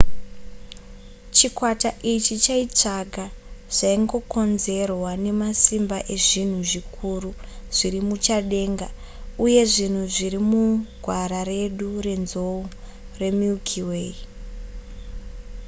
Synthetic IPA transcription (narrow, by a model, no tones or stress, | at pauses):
t͡ʃikwataʔit͡ʃit͡ʃait͡ʂaɡaʐ̥aiŋɡo̞ko̞nze̞rwane̞masimbaʔe̞ʐin̤uʐikʰuru | ʐ̥iɾimut͡ʃaɗe̞ːŋɡa | uje̞ʐin̤uʐiɾimuɡʱwaɾaɾe̞ɗure̞nzo | re̞mukʰiwei